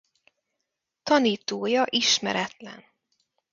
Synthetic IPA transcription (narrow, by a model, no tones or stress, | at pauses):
t̪ɒniːt̪oːjɒʔiʃmɛ̰ɾɛt̪lɛ̰n